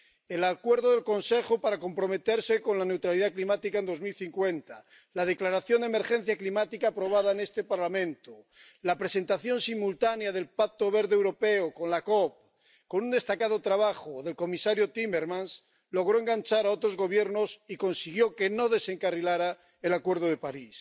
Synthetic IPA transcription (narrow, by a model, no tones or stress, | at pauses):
elakwe̞ɾðoðe̞lko̞nse̞xopaɾako̞mpɾo̞me̞t̪eɾseko̞nlane̞wt̪ɾaliðaklimat̪ikaend̪o̞zmilθiŋkwe̞nt̪a | lað̞e̞klaɾaθjo̞nd̪eme̞ɾxe̞n̟θjaklimat̪ikaːpɾo̞β̞aðaene̞st̪epaɾlamẽnt̪o | lapɾese̞nt̪aθjo̞nsimult̪anjaðe̞lpak̚t̪oβ̞eɾðewɾo̞peoko̞nlakop̚ | ko̞nund̪e̞st̪akað̞ot̪ɾaβ̞aχoðe̞lko̞misaɾjot̪imeɾmãns | lo̞ɣ̞ɾoeŋɡant͡ʃaɾaot̪ɾozɣo̞β̞je̞ɾnosiko̞nsiɣ̞jo̞kenoðe̞se̞ŋkarilaɾa | elakwe̞ɾðoðepaɾis